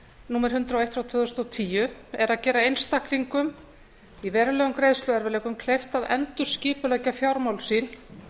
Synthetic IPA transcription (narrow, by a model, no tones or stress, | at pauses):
nuːmɛɾ̥hʏnt̪ɾawejht̪fɾawt̪ʰvœːðʏst̪ɔwt̪ʰiːjʏɛɾaðcɛːɾaejnst̪ahkliŋkʏm | ivɛːɾʏlɛːɣʏmkɾejðst̪lʏɛɾvɪlɛːkʏmkʰlejft̪aðɛnt̪ʏɾ̥scɪːpʏlɛcafjawɾmawlsiːn